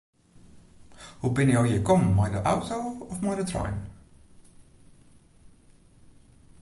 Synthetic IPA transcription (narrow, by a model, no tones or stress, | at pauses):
hubɪnjawjəjkɔmːajdəʔawtowɔfmajdətra̰jm